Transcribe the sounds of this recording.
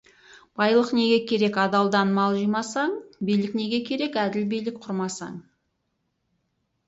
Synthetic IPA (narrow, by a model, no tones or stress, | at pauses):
b̥ɑjlˠəqne̞ɡʲekʲʰe̞ɾe̞kɑd̪ɑlˠd̪ɑnmɑlˠʒijmɑsɑɴbijlɪkne̞ɡʲe̞kʲʰe̞ɾe̞kæd̪ɪlbijlɪk̚qʰʊɾmɑsɑ̰ɴ